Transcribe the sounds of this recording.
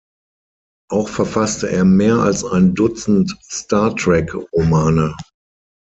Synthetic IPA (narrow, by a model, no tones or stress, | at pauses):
ʔaʊxfɛɐfastəʔeːɐmeːɐa̰lsaɪndʊt͡sn̩tstaɐtʁɛkʁomaːnə